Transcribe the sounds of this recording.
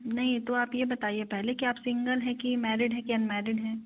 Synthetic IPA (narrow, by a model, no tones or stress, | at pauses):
nɐɦĩt̪oaːpjebɐt̪aːiepɛɦlekiaːpsɪ̃ŋɡəlɦɛkimɛːɾɪɖɦɛkiɐnmɛːɾɪɖɦɛː